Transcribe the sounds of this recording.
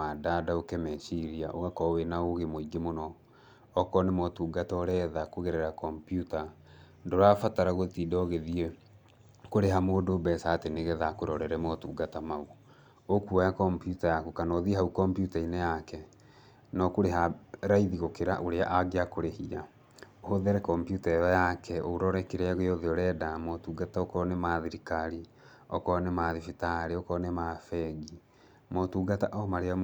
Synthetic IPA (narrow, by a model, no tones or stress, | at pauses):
adadaokɛmɛʃiɾiaʔoɣakɔwenaoɣemoiɡemonɔː | kɔnemɔtuːɡatɔɾɛðakoɣɛɾɛɾakɔmpijuta | ndoɾafataɾaɣotidɔɣeðiɛ | koɾeɦamoːdobɛsaːteneɣɛðakoɾɔɾɛɾɛmɔtuːɡatamau | okuajakɔmpjutajakukanɔðiɦaukɔmpjutaineakɛ | nɔkoɾeɦaɾaiðiɣokeɾaʔoɾeaʔaɡeakoɾehia | ohoðɛɾɛkɔmpjutaɛjɔjakʰɛo̰ɾɔɾɛkeɾeaɣeɔðeɔɾɛdamɔtuːɡataɔkɔnemaðiɾikaɾi | ɔ̰kɔnemaðifitaɾeɔkɔnemafɛɡi | mɔtuːɡataʔɔmaɾea